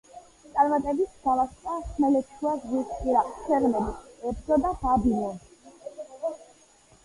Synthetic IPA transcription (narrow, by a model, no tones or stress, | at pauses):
t̪sʼaɾmat̪ʼɛbisɡalastʼasmɛlɛt̪ʃʰuazʁitpʼiɾaqʼsʰɛɾmɛbiɛbd̪ɔd̪ab̥abilɔ